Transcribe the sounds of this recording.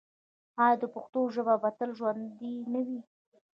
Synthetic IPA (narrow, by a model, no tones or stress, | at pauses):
ɑjɑd̪əpʊxt̪oʒəbabat̪əlʒwand̪inəwi